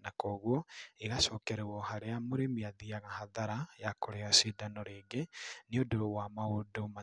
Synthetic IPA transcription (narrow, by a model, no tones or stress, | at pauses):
nakɔːɣwɔeɣaʃɔːkɛɾɛwɔhaɾeamoɾemiaðiaɣahaðaɾajakoɾeasidanɔɾeːɡeneodoɾowamaodoma